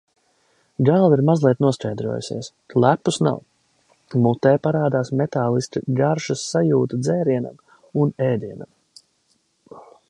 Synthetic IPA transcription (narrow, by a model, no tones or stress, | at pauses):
ɡalˠiɾmazlˠiɛt̪nuɔst͡ʃɛjd̪ɾuɔ̰jṵsḭɛs | lˠæpːusna̰w | mut̪ɛːpaɾaːd̪aːsmet̪aːlˠist̪iɡaɾʃasːajuːt̪ud̪zɛːɾiɛna̰m | unɛːd̪iɛna̰m